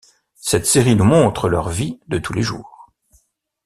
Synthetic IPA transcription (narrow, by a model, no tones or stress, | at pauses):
sɛt̪seʁinumɔ̃t̪χəlœ̰ʁvid̪ət̪ʰuleʒṵːʁ